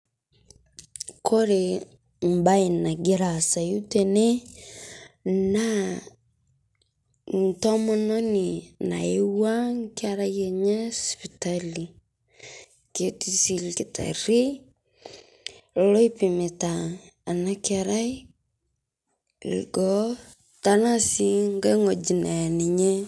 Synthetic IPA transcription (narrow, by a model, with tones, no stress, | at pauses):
kʰɔ˦ɾe˨ | m̩˨ba˦i˨na˨ɡe˦ɾa˨sa˨ju˦te˨ne˦ | na˦ | n˨tɔ˦mɔ˦nɔ˦ni˨na̰˨e˦wa˦ŋ˦kɪ˦a˦ɾa˦jɛ˨ɲa˦spi˨ta˦li˨ | ke˦ti˦si˨lkɪ˨tʰa̰˨ɾi˦ | lo˦i˦pɪ˨me˨ta˨ | a˨na˦kɪ˦a˨ɾa˦i˦ | lḭ˨ɡɔ˨˦ | ta˦na˦si˦ŋɡa˦ŋo˨d͡ʒi˨na˨nɪ˨ɲɛ˦